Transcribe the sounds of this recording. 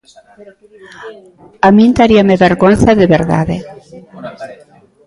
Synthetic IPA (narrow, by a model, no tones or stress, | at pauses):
amĩnt̪aɾiameβeɾɣonθaðeβeɾða̰ðe